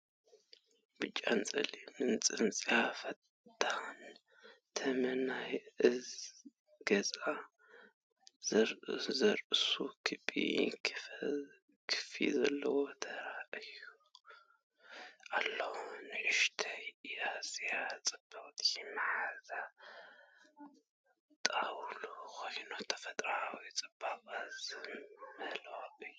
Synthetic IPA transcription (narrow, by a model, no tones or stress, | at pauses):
b̥ɨt͡ʃʼːant͡sʼɐlimɨnt͡sʼɨnt͡sʼijafɐt̪ | t̪ːan | t̪ʰɐmɐnajʔɨz | ɡ̥ɐzʼa | zɐɾɨsukʰɨbʼḭ | kʰɨ̥fḭzɐlːɐwot̪ʰɐɾaʔɨju | ʔalːɐhunɨʔɨʃt̪ʰajjaz̥ijat͡sʼɨb̥at̪ʼɛmħaza | t̪ʼawlukʰojnot̪ʰɐ̥fɐt̪ʼɾawit͡sʼɨb̥akʼazɨmmɨhlwaɨj